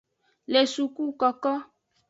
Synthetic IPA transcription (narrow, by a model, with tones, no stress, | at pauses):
le˨su˨ku˦kɔ˨kɔ˦